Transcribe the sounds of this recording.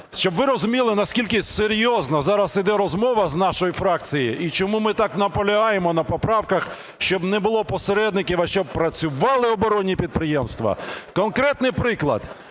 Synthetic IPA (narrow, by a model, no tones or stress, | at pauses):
ʃt͡ʃɔbʋɪɾɔzʊmʲilˠɪnɐskʲilʲkɪseɾʲjɔznɐzɑɾɐsid̪ɛɾɔzmɔʋɐznɑʃɔjifɾɑk̚t͡sʲijiʔit͡ʃɔmumɪt̪ɑknɐpɔlʲɐɦɑjemɔnɐpɔpɾɑwkɐx | ʃt͡ʃɔbnɛbʊlˠɔpɔseɾɛd̪nɪkʲiʋɐʃt͡ʃɔb̚pɾɐt͡sʲʊʋɑlˠɪɔbɔɾɔnʲːipʲid̪̚pɾɪjemst̪ʋɐ̰kɔnkɾɛt̪nɪjpɾɪklˠɐ̰d̪